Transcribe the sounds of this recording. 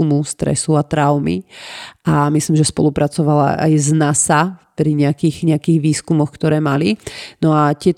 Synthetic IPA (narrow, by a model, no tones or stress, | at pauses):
umust̪ɾɛ̰suat̪ɾaʊmḭʔamisliːmʒɛspɔ̰lupɾat͡sɔʋala̰ʔa̰jznasapɾiɲɛakiːɣɲɛakiːɣʋiːskumɔxkt̪ɔɾɛːmalinɔat̪ɪɛt̪